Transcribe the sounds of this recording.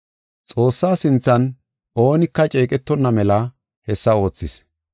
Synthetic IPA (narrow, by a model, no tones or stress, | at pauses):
t͡sʼo̞ːsːaːsɪnt͡sːɐn | o̞ːnɪkːɐt͡ʃʼeːkʼɛt̪ːɔnːɐmɛlɐ | hɛsːɐo̞ːt͡sːɪs